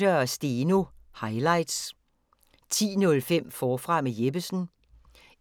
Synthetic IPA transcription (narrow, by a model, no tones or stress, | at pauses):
øɐsd̥eːnohɑ̈ɪlɑ̈ɪ̰d̥s | t͡sʰḭːnɔ̽lfem̰fɒːfʁɑ̈mejeb̥əsn̩